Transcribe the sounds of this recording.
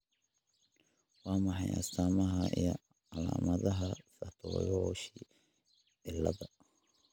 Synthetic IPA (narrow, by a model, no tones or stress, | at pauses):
wɑːmɑħɑjʔɐ̰saːmɐɦɐʔijɔ | ɑla̰ːmɐðɐɦɐfɐt̪ʰɔ̰ːjɔʃiː | ʕɪlːɐðɐ